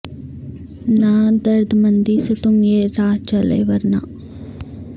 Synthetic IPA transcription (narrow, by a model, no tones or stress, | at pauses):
naːd̪ɐɾd̪mɐnd̪iːsət̪umjeːɾaːt͡ʃɐlḛːʋɐɾna̰ː